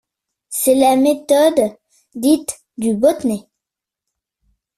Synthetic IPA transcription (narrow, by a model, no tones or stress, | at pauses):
sɛlamet̪ɔd̪ | d̪it̪ | d̪ybot̪ne